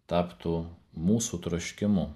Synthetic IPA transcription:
t̪ɑːpt̪uːmuːsut̪ɾɐʃʲkʲɪmʊ

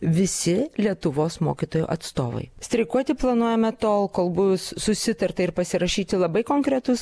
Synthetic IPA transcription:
ʋʲɪsʲɪlʲiɛt̪ʊʋoːsmo̰ːkʲit̪oːjṵːʔɐt̪st̪oːʋɐ̰ɪsʲt̪ʲɾʲɛɪkuɔt̪ʲɪplˠɐnuɔjɛmɐt̪oːlˠkoːlˠbʊʊsːʊsʲɪt̪ɐɾt̪ɐɪɾpɐsʲɪɾɐʃʲiːt̪ʲɪlˠɐbɐɪkoːŋkɾʲɛt̪ʊs

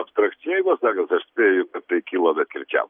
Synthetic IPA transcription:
ɐpst̪ɾɐk̪sʲɪjɛɪboːsɑːkɐsɐʃsʲpʲeːjʊkɐtt̪ɐɪkʲiːlˠoːbʲɛt̪kʲɪɾʲt͡ʃʲæ̰ːl

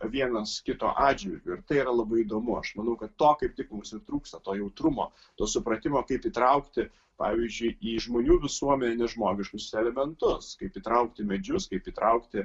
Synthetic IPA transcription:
ʋʲiɛnɐskʲɪt̪o̰ːʔɑːd͡ʒʲʋʲɪɾʲɡʲʊːɪɾt̪ɐɪiɾɐlˠɐbɐɪid̪oːmʊɐ̰ʃmɐnɐʊkɐt̪ːoːkɐɪp̚t̪ʲɪkmʊmsɪrt̪ɾuːkst̪ɐt̪oːjɛʊt̪ɾʊmo̰ː | t̪oːsʊpɾɐt̪ʲɪmoːkɐɪpiːt̪ɾɐʊkt̪ʲɪ | pɑ̰ːʋʲiːzʲd͡ʒʲʊɪiːʒmoːnʲuːʋʲɪsuɔmʲɛnʲeːnʲɛʒmoːɡʲɪʃkʊsɛlʲɛmʲɛnt̪ʊskɐɪpiːt̪ɾɐʊk̚t̪ʲɪmʲɛd͡ʒʲʊskɐɪpiːt̪ɾʔɐʊkt̪ʲɪ

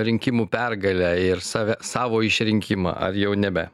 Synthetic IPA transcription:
ɾʲɪŋʲkʲɪmuːpʲɛrɡɐlʲæːɪrsɑːʋʲɛsɑːʋoːɪʃʲɾʲɪŋʲkʲɪmɑ̰ːʔɐ̰rjɛʊnʲɛbʲɛ

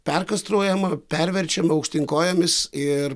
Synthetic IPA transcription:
pʲɛrkɐst̪ɾoːjɛmɐpʲɛɾʲʋʲɛɾʲt͡ʃʲɛmɐʊkʃʲt̪ʲɪŋkoːjɛmʲɪsɪr

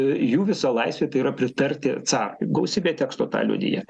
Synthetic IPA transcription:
juːʋʲɪsɑːlˠɐɪsʋʲeːt̪ɐɪiɾɐpʲɾʲɪt̪ɐɾʲt̪ʲɪsɑːrɡɐʊsʲiːbʲeːt̪ʲɛːkst̪oːt̪ɑ̰ːlʲṵɔd̪ʲɪ̰jɛ

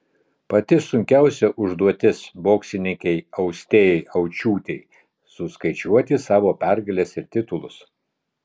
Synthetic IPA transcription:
pɐt̪ʲɪsʊŋʲkʲæˑʊsʲɛʔʊʒd̪uɔt̪ʲɪsboːksʲɪnʲɪŋʲkʲɛɪɐʊsʲt̪ʲeːjɛɪʔɐʊt͡ʃʲuːt̪ʲɛɪ | sʊskɐɪt͡ʃʲuɔt̪ʲɪsɑːʋoːpʲæɾɡɐlʲɛsɪɾt̪ʲɪt̪ʊlˠʊs

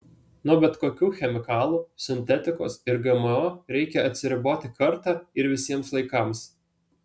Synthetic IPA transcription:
nʊbʲɛt̪koːkʲuːxʲɛmʲɪkɑːlˠuːsʲɪnʲt̪ʲɛt̪ʲɪko̰sɪɾɡɛmɐɔːɾʲɛɪkʲɛɐt̪ʲsʲɪɾʲɪboːt̪ʲɪkɐɾt̪ɑːɪɾʋʲɪsʲiɛmslˠɐɪkɑms

